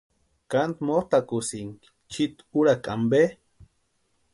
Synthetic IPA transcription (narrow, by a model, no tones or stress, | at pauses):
kant̪moht̪akusiŋki̥ | t͡ʃit̪uɾakʼa̰mbe